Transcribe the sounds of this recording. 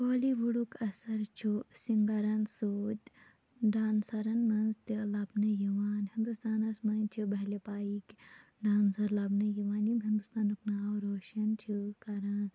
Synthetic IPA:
koːliʋuɽukɐsɐɾt͡ʃʰusiŋɡɐɾansoːt̪ʲ | ɖaːnsɐɾɐnmɐnzt̪ilaːbnɐjɐʋaːnhĩnd̪ust̪aːnɐsmɐnt͡ʃʰibɐɦlepaːik | ɖaːnsɐɾlaːbnɐjiʋaːnimɦĩnd̪ust̪aːnuknaːwɾoːʃɐnt͡ʃʰikaɾaːn

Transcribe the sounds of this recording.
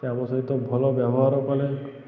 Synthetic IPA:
eamɔsaɦit̪ɔbʱɔlɔbjabɔɦaɾɔkɔle

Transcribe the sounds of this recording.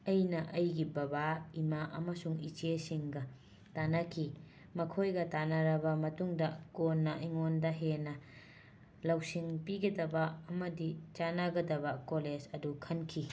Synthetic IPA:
ɐjnɐʔɐjɡibɐbaimaʔɐmɐsuŋit͡ʃesiŋɡɐ | tanɐkʰi | mɐkʰojɡɐtanɐɾɐbɐmɐtuŋdɐkonːɐʔiŋondɐɦenɐ | lɐwsiŋpiɡɐdɐbɐɐmɐdit͡ʃanaɡɐdɐbɐkoled͡ʒɐdukʰɐnkʰi

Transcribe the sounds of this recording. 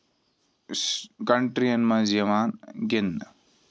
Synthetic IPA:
kɐɳʈɾiɐnmãzɐʋaːnɡɪnː

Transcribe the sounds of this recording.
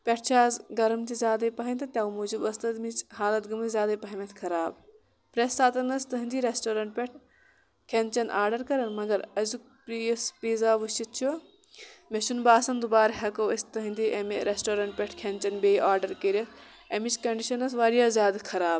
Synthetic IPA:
pʲeʈʰt͡ʃʰaːzɡɐɾɐmt̪izʲjaːd̪ɐipɐɦɐnʲt̪ʰɐt̪ʲjaːumuːd͡ʒibɐst̪ɐd̪mit͡ʃɦaːlɐt̪ɡɐmt̪izʲjaːd̪ɐipɐɦɐmɐt̪ʰkʰɐɾaːb | pɾesːaːt̪ɐnɐst̪ɐɦɨnd̪iːɾesʈoːɾɐɳʈ̚pʲeʈʰ | kʲʰent͡ʃɐnʔaːɾɖɐɾkɐɾɐnmɐɡɐɾɐzukpispiːzaːʋut͡ʃit̪̚t͡ʃʰu | meʃunbaːsɐnd̪ubaːɾɦɐkoːɐst̪ɐɦɐnd̪iʔɐmiɾesʈoːɾɐɳʈ̚pʲeʈʰkʰent͡ʃɐnbeːjʔaːɾɖɐɾkeɾʲɐt̪ | ɐmit͡ʃkɐɳɖiʃɐnɐs̬ʋaːɾijaːzjaːd̪ɐkʰɐɾaːb

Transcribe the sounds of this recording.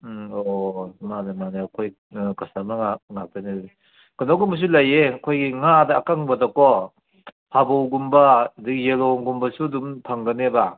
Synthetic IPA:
ɔmanamaneakʰɔj | kɯsamaŋaŋak̚dane | kɯnoɡɯmus̬ulajeakʰɔjɡiŋadaːkaŋbɐdɔkɔ | pʰabowɡumbadikjelɔŋɡumbɐsudumpʰaŋɡɐneba

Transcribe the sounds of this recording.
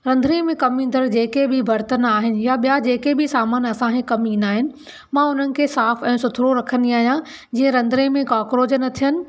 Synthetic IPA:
ɾɐ̃nd̪ʱɾẽmẽkɐmĩnd̪əɾd͡ʑeːkebʱɪbʱɐɾt̪ənaːɦɪnɪ̆jaɓijad͡ʑeːkebʱɪsaːmaːnɐsãkẽkɐmĩːnaːɦɪnɪ̆ | mãʊn̤ənɪ̆kʰeːsaːfɛ̃ːsʊt̪ʰɾoɾɐkʰə̃nd̪iaːɦijã | d͡ʑĩːə̃ɾɐ̃nd̪ʱɾẽmẽkaːkɾoːd͡ʑənɐt̪ʰijənɪ̆

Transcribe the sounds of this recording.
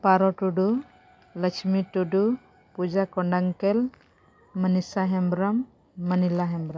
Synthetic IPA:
paɾɔʈuɖu | lət͡ʃʰmitudu | pud͡ʒakɔɳɖaŋkɛl | mənisaɦɛmbɾamː | ənilaɦɛmbɾam

